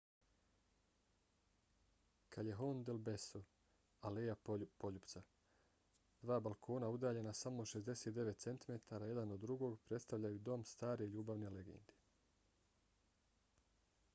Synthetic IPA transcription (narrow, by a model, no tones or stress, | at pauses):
kʰaleɦond̪elbeso | alejapo̞ʎupt̪sa | d̪̥ʋaːbalˠkʰo̞ːnaud̪aːʎe̞nasamo̞ʃe̞zd̪e̞se̞ːt̪̚d̪e̞ʋe̞t̪se̞nt̪ime̞t̪ʰaːɾaːje̞d̪anod̪ːɾuɡo̞ːɡpɾe̞t̪st̪aʋʎajud̪o̞mst̪aːɾeʎuːbaʋne̞le̞ɡḛnd̪i̥